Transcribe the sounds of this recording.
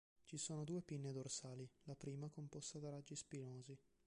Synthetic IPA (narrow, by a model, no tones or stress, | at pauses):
t͡ʃisoːnod̪uːepinːed̪orsaːlilapɾiːmakompɔst̪ad̪aɾad͡ʒːispinoːzi